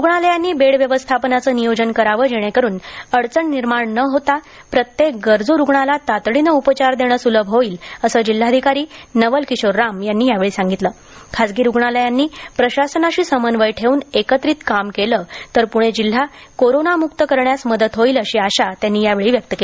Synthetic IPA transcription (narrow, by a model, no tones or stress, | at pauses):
ɾuɡɳaləjanːiːbeɽʋjəʋəst̪ʰapnat͡səːnijod͡ʑənkəɾaʋəːd͡ʑeɽ̃ekəɾuːnəɽt͡səɳːiɾmaɳnəɦot̪a | pɾət̪jek̚ɡəɾd͡zuɾuɡɳalat̪at̪ɭinəupət͡ɕaɾd̪eɽ̃əːsuləbʱɦoiːləsəːd͡ʑil̤ːaəd̪ʱikaɾiːnəʋəlkiɕoɾːamjanːiːjaʋeɭiːsãŋɡit̪ləː | kʰad͡zɡiːɾuɡɳaləjanːiːpɾəɕasənaɕiːsəmənʋəjʈʰeuːnekət̪ɾiːt̪kamkelət̪əɾpuɽ̃ed͡ʑil̤ːa | koɾonamukt̪əkəɾɳjasməd̪ət̪ɦoiləɕiːaɕat̪janːiːjaʋeɭiːʋjək̚t̪əke